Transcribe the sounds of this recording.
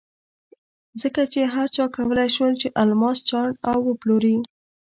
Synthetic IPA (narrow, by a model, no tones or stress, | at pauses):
zəkat͡ʃeɦaɾt͡ʃɑkawəlajʃwəlt͡ʃeʔalmɑst͡ʃɑɳawːəploɾi